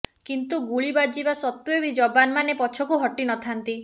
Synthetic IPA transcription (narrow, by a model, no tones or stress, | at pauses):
kint̪uɡuɭibad͡ʒibasɔt̪uebid͡ʒɔbanmanepɔt͡ʃʰɔkuɦɔʈinɔt̪ʰant̪i